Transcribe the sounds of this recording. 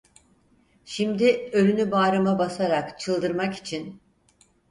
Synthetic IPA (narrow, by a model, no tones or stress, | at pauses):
ʃimd̪iølynybaːɾamabasaɾakt͡ʃʰɯlˠd̪ɯɾmaki̥t͡ʃʰin